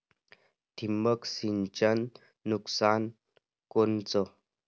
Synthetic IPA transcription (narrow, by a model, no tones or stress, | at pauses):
t̪ʰimːəksint͡ɕənː | uksan | kont͡sɔ